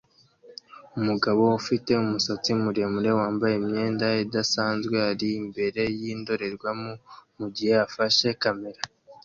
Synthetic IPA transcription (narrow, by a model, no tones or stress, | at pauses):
umuɡaβo̞ufite̞umusot͡simuɾe̞muɾe̞waːmbaje̞imɲe̞ːndaidasaːnzɡwe̞aɾiːmbe̞ɾe̞jiːndo̞ɾe̞ɾɡwamumuɟiheafaʃe̞kame̞ɾa